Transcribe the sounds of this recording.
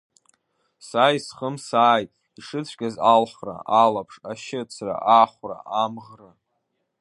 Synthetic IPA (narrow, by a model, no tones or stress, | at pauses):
saːjsχəmsaːjtʼ | iʂɨt͡sʷʰɡʲazalħra̰ʔalapʰʂaʃɪt͡sʰra̰ʔaχʷra̰amʁra